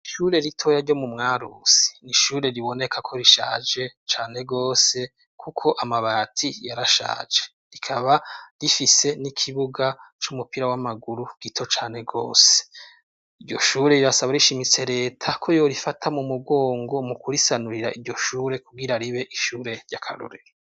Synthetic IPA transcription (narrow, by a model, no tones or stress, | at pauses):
iʃuːɾe̞ɾitʰo̞jaɾɟo̞mumŋaːɾṵsi̥niʃuːɾe̞ɾiβo̞ne̞kʰakʰo̞ɾiʃa̰ːd͡ʒe̞t͡ʃaːne̞ɡoːse̞ | kʰukʰo̞ʔamaβaːtʰijaɾaʃa̰ːd͡ʒe̞̥ | ɾikʰaβaɾifise̞nikʰiβuɡat͡ʃumupiɾawamaɡuɾuɡ̥itʰo̞t͡ʃaːne̞ɡo̞̰ːse̥ | iɾɟo̞̰ʃuːɾe̞ɾiɾasaβaɾiʃimit͡se̞ɾe̞ːtʰakʰo̞jo̞ɾifatʰamumuɡo̞ːŋɡo̞mukuɾisanuɾiɾaiɾɟo̞ʃuːɾe̞kuɡiɾaɾiβe̞ʔiʃuːɾe̞ɾɟakʰa̰ɾo̰ɾḛɾe